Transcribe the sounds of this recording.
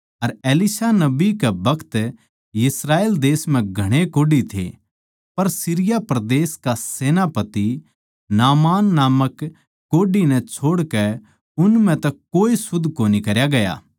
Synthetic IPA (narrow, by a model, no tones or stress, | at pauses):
ɐɾeːlɪsanɐbikɛbʱɐkʰt̪ | jɪsɾaːeːld̪eːsm̤ɛ̃ɡʱɐɽ̃ekoːɖit̪ʰḛ | pɐɾsiɾɪjapɾɐd̪eːskaseːnapɐt̪i | naːmaːnːaːməkː | oːɖinɛ̃t͡ʃʰoːɽkɛ | ʊnm̤ɛ̃t̪ɐ | oːisʊd̪ʱːkonikɐɾjaɡɐja̰ː